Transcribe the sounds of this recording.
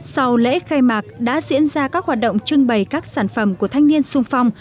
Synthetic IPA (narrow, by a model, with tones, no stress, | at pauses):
sa˧wlḛ˧˥xaː˧jmaː˨˩k̚ɗa̰ː˧˥zḭ˧˥ənzaː˧kaː˦˥k̚hwaː˨˩t̚ɗə̰˧˨wŋ͡mt͡ɕɨ˧ŋɓə˨˩jkaː˦˥k̚saː˧˩nfə˧˩mku˧˩ət̪ʰa˧jŋ̟ni˧ənsʊ˧ŋ͡mfa˧wŋ͡m